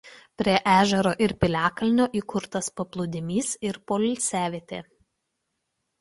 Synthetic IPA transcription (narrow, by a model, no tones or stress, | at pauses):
pʲɾʲiɛʔæːʒʲɛɾoːʔɪɾpʲɪlʲæːkɐlʲnʲoːʔiːkʊɾt̪ɐspɐplˠʊd̪ʲɪmʲiːsɪɾpoːlʲt̪sʲæːʋʲeːt̪ʲeː